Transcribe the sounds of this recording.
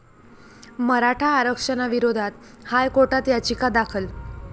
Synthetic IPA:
məɾaʈʰaːɾəkʂənaʋiɾod̪ʱat̪ | hajkoʈat̪jat͡ɕikad̪akʰəl

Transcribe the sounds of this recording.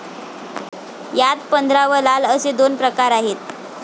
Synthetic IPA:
jat̪pənd̪ʱɾaʋəlaləsed̪onpɾəkaɾaɦet̪̚

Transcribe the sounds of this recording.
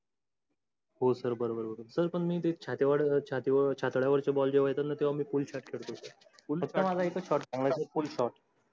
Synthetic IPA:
ɦosəɾbəɾobəɾbəɾsəɾpəɳmiːt̪et͡ɕʰat̪eʋaɽt͡ɕʰat̪eʋt͡ɕʰat̪ɽjaʋəɾt͡ɕabɔld͡ʑeʋaɦet̪anat̪eʋamiːfulɕaʈkʰeɽkot̪ə | uləkt̪əmad͡zaekəɕɔʈbãŋɡlasəfulɕɔʈ

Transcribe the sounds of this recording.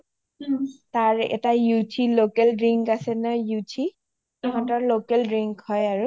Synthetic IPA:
taɹɛ̰tajutʰilokɛlɹiŋkasɛnɔjutʰi | ɔɦɔ̃tɔɹlokɛlɹiŋkhɔjaɹu

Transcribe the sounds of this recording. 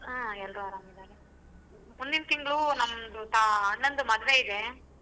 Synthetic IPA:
aːɛlrɾuaːɾaːmid̪aːɾe | mund̪int̪iŋɡɐɭunɐmːd̪ut̪aːnːɐnd̪umɐd̪ɐʋeid̪e

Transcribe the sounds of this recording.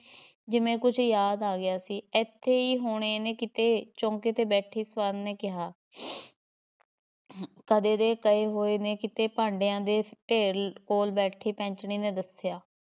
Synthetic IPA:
d͡ʒɪmẽːkʊt͡ʃʰjaːd̪aːɡɪjaːsiːɛt̪ʰːeːiːɦoːɽ̃eneːkɪt̪eːt͡ʃɔ̃ːŋkeːt̪eːbɛːʈʰiːsʋaːnneːkɪɦaː | kəd̪eːd̪eːkəeːɦoːeːneːkɪt̪eːpãːɳɖejãːd̪eːʈeːɾkoːlbɛːʈʰiːpɛ̃ːɲt͡ʃɳiːnẽːd̪əsɪjaː

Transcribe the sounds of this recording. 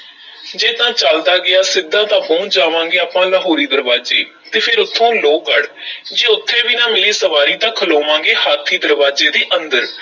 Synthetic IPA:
d͡ʒeːt̪ãːt͡ʃəld̪aːɡɪaːsɪd̪ãːt̪ãːpõːd͡ʒaːʋãːŋɡeːaːpãːlaːɦoːɾiːd̪əɾʋaːd͡ʒḛː | t̪eːpʰɪɾʊt̪ʰːõːloːkəɽd͡ʒeːʊt̪ʰːeːʋiːnãːmɪliːsəʋaːɾiːt̪ãːkʰəloːʋãːŋɡeːhaːt̪ʰːiːd̪əɾʋaːd͡ʒeːd̪eːʔənd̪əɾ

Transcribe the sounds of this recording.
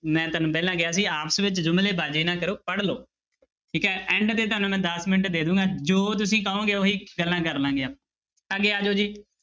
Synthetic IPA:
mɛ̃ːt̪ənũpɛːlãːɡɪjaːs̬iːaːpəsʋɪt͡ʃd͡ʒʊmleːbaːd͡ʒeːnãːkəɾoːpəɽloː | ʈʰiːkɦɛːɛ̃ːɳɖt̪eːt̪ʊɦaːnũːmɛ̃ːd̪əsmɪnəʈd̪eːd̪ũːɡaːd͡ʒoːt̪ʊsĩːkəːõːɡeːoːɦiːɡəlːãːk̬əɾlãːɡɪãː | əɡeːaːd͡ʒoːd͡ʒiː

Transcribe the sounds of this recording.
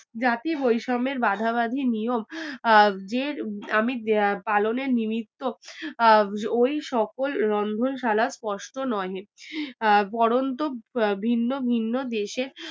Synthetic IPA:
d͡ʑat̪ibojʃɔmeɾbad̪ʱaβad̪ʱinijom | d͡ʑeɾamipaloneɾnimit̪ːo | ojʃɔkolɾɔnd̪ʱonʃalaspɔʃʈonɔe | pɔɾont̪obʱinːobʱinːod̪eʃeɾ

